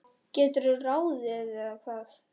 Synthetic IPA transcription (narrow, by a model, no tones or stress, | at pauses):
cɛːt̪ʏɾʏraːwðɪðɪakʰað